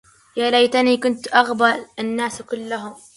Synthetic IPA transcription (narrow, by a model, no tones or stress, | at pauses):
jaːlajt̪aniːkʊnt̪ʔaɣbalanːaːskʊlːaɦʊm